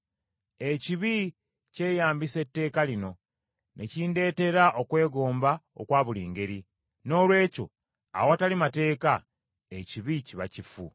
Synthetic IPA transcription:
e̞ciβi | ce̞ːjaːmbise̞tːe̞ːkalino̞ | nʔḛciːnde̞ːte̞ɾaʔokwe̞ːɡo̞ːmbao̰kwaːβuliːŋɡe̞ɾi | no̞ːlwe̞ːco̞̰ | a̰woatalimate̞ːka | eciβiciβa̰cifṵ

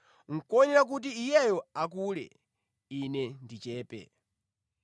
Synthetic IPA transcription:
ŋ̩kɔɲiɾak̬ut̬iːjɛjɔak̬ulɛ̰ | inɛndit͡ʃɛːpɛ̰

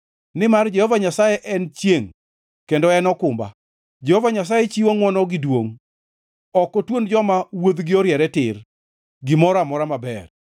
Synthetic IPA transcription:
nɪmard͡ʒɛhɔvaɲasajɛʔɛnt͡ʃjeŋ | kendɔɛnɔkʊmba̰ | d͡ʒɛhɔvaɲas̬ajet͡ʃiwoŋwɔnɔɡɪdwoŋ | ɔkotwond͡ʒɔmawod̪ɡɪɔɾjɛɾɛtɪr | ɡɪmɔɾamɔɾamabɛ̰r

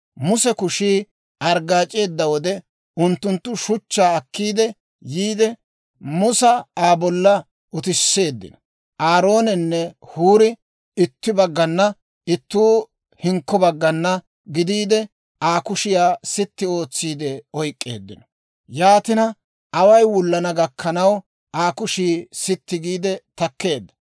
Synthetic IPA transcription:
mʊsɛkʊʃiː | ʔɐɾɡaːt͡ʃʼe̞ːd̪ːɐwɔd̪ɛ | ʊnt̪ːʊnt̪ːʊʃʊt͡ʃːaːɐkːiːd̪ɛ | jiːd̪ɛ | mʊsɐaːbɔlːɐ | ʔʊt̪ɪsːe̞ːd̪ːɪ̰nɔ̥ | ʔaːɾo̞ːnɛnːɛhuːɾɪ | ɪt̪ːɪbɐɡːɐnːɐ | ɪt̪ːuː | hɪŋkːɔbɐɡːɐnːɐ | ɡɪd̪iːd̪ɛ | aːkʊʃɪjaːsɪt̪ːɪo̞ːt͡sːiːd̪ɛɔjkʼːe̞̰ːd̪ːɪ̰nɔ̥ | jaːt̪ɪnɐ | ɐwɐjwʊlːɐnɐɡɐkʰːɐnɐw | ʔaːkʊʃiːsɪt̪ːɪɡiːd̪ɛt̪ɐkːe̞ːd̪ːɐ̥

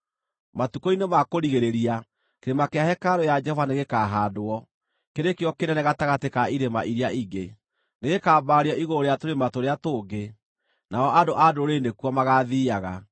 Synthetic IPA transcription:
matukoinemakoɾiɣeɾeɾia | keɾemakeahɛkaɾojad͡ʒɛhɔvaneɣekaɦaːdoɔ | keɾekjɔkenɛneɣataɣatekaiɾema̰ʔiɾiaiɡe | neɣekaːbaɾiɔʔiɣooɾeatoɾematoɾeatoːɡe | naɔʔadoʔadoɾendekwɔmaɣaðiːaɣa

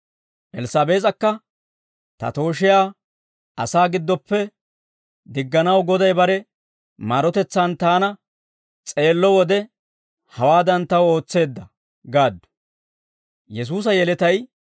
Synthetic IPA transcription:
ʔɛlsɐːbe̞ːt͡s̬ʼɐkːɐ | t̪ɐ̰t̪o̞ːʃɪjaː | ɐsaːɡɪd̪ːɔpːɛ | d̪ɪɡːɐnɐwɡɔd̪ɐjbɐɾɛ | maɾɔt̪ɛt͡sːaːnt̪aːnɐ | t͡sʼe̞ːlːɔwɔd̪ɛ | hɐwaːd̪ɐnt̪ɐwo̞ːt͡sːe̞ːd̪ːɐ | ɡaːd̪ːʊ̥ | jɛs̬uːs̬ɐjɛlɛt̪ɐj

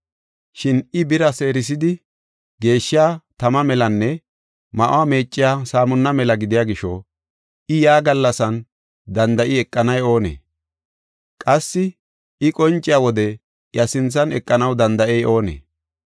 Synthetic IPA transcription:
ʃɪnɪbɪɾɐse̞ːɾɪs̬ɪd̪ɪ | ɡe̞ːʃːɪjaːt̪ɐmɐmɛlɐnːɛ | mɐʔʊ̰wame̞ːt͡ʃʼːɪjaːsaːmʊnːɐmɛlɐɡɪd̪ɪjaːɡɪʃɔ̰ | ʔɪjaːɡɐlːɐsɐn | d̪ɐnd̪ɐʔɪɛkʼːɐnɐjo̞ːnḛː | kʼɐsːɪ | ɪkʼɔnt͡ʃʼːɪjaːwɔd̪ɛ | jɐsɪnt͡sːɐnɛkʼːɐnɐwd̪ɐnd̪ɐʔɛjʔo̞ːnḛː

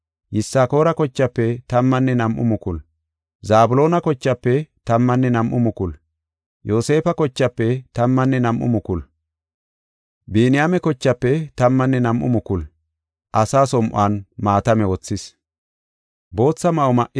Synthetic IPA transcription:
jɪsːaːko̞ːɾɐkɔt͡ʃːɐpːɛt̪ɐmːɐnːɛnɐmʔʊ̰mʊkʊl | zaːbʊlo̞ːnɐkɔt͡ʃːɐpːɛt̪ɐmːɐnːɛnɐmʔʊ̰mʊkʊl | jo̞ːse̞ːfɐkɔt͡ʃːɐpːɛt̪ɐmːɐnːɛnɐmʔʊ̰mʊkʊl | beːnɪjaːmɛkɔt͡ʃːɐpːɛt̪ɐmːɐnːɛnɐmʔʊ̰mʊkʊl | ʔɐsaːsɔmʔʊ̰aːnmaːt̪ɐmɛwɔt͡sːɪs | bo̞ːt͡sːɐmɐʔɔmɐʔɪ

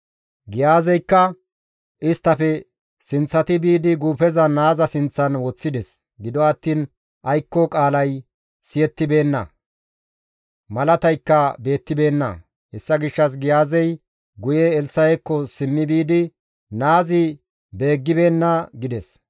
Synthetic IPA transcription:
ɡɪjaːzɛjkːɐ | ʔɪst̪ːɐfɛ | sɪnt͡sːɐt̪ɪbiːd̪ɪɡuːpɛzɐnaːzɐsɪnt͡sːɐnwɔt͡sːɪd̪ɛs | ɡɪd̪ɔɐt̪ːiːn | ʔɐjkːɔkʼaːlɐj | sɪjɛt̪ːɪbe̞ːnːɐ̰ | mɐlɐt̪ɐjkːɐbe̞ːt̪ːɪbe̞ːnːɐ̰ | ɛsːɐɡɪʃːɐs̬ɡɪjaːzɛj | ɡʊjɛːlsɐjɛkːɔsɪmːɪbiːd̪ɪ | naːzɪ | be̞ːɡːɪbe̞ːnːɐɡɪd̪ɛs

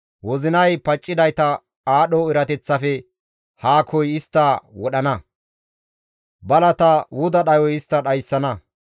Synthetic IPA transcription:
wɔzɪnɐjpɐt͡ʃʼːɪd̪ɐjt̪ɐ | aːɗɔɪɾɐt̪ɛt͡sːɐfɛ | haːkʰɔjɪst̪ːɐwɔɗɐnɐ | bɐlɐt̪ɐwʊd̪ɐɗɐjɔjɪst̪ːɐɗɐjsːɐnɐ

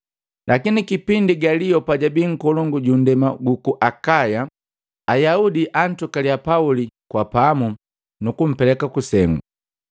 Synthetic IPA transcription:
lakinikipindiɡalijɔpaɟabiŋ̩kɔlɔŋɡuɟundɛmaɡukuʔakaja | ajaudiʔan̩tukalijapaulikwapamu | nukum̩pɛlɛkakusɛŋɡu

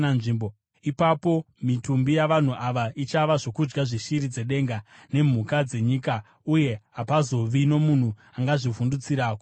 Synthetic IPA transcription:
anʐiːmbo | ipapo̞ | mitumbijaʋan̤uʔaʋaʔit͡ʃaʋaʐo̞kud͡ʒɡaʐiʃiɾid͡ze̞ɗe̞ŋɡane̞m̤ukad͡ze̞ɲika | uje̞ɦapazo̞ʋino̞mun̤u | aŋɡaʐivundut͡siɾaːko

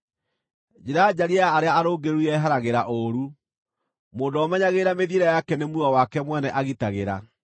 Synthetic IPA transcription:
d͡ʒeɾad͡ʑaɾiaːɾeaaɾoːɡeɾuɛɦaɾaɣeɾaʔoɾu | moːndɔmɛɲaɣeːɾameðjeɾajakɛnemuawakɛmwɛnɛʔaɣitaɣeɾa̰

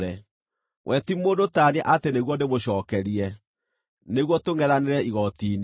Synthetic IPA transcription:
ɾɛ | wʔɛtimoːndotaːnɛʔateneɣwɔndemoɕɔːkɛɾiɛ | neɣwɔtoŋɡɛðaneɾɛiɣɔtiːn

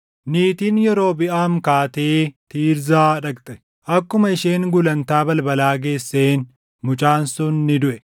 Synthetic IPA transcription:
niːt̪iːnjɛɾo̞ːbɪʔaːmkaːt̪eːt̪iːɾzaːᶑɐkt̪ʼɛ̥ | ʔɐkːʊmɐɪʃeːŋɡʊlɐnt̪aːbɐlbɐlaːɡe̞ːsːe̞ːn | mʊt͡ʃʼaːnsʊnːɪd̪ʊʔɛ

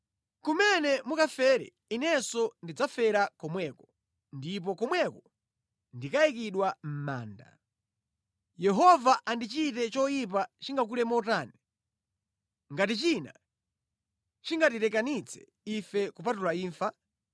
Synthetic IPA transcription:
kumɛnɛmukafɛɾɛ̰ | inɛsɔndid͡zafɛɾakɔmwɛkɔ | ndip̬ɔkɔmwɛkɔ | ndikaikiɗwam̩ma̰ːnda̰ | jɛɦɔvaʔandit͡ʃitɛt͡ʃɔjip̬at͡ʃiŋɡak̬ulɛmɔtaːni | ŋɡatit͡ʃina̰ | t͡ʃiŋɡatitɛkanit͡sʰɛ̥ | ifɛkup̬atulaiːɱfa

